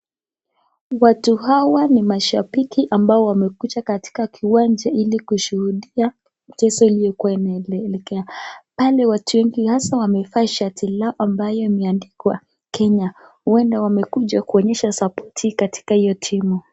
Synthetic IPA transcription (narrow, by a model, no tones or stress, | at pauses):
watuɦawanimaʃaɓikiʔambaɔwamɛkut͡ʃakati̥kakʰiwand͡ʒailikuʃuhuɗia | m̩tɛsɔilijɔkuwainaɛlɛkɛapalɛwatʰuwɛŋɡihasawamɛfaʃatʰilaɔʔambajɔimɛandikwa | kɛɲahuɛndawamɛkuʄakuɔɲɛʃasapɔtʰikati̥kahijɔtʰimu